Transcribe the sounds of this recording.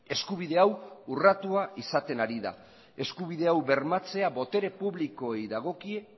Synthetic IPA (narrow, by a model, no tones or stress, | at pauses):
e̞skuβ̞iðe̞awurat̪uaisat̪e̞naɾiða̰ | e̞skuβ̞iðe̞awβe̞ɾmat͡se̞aβo̞t̪e̞ɾe̞puβliko̞ejðaɣ̞o̞kie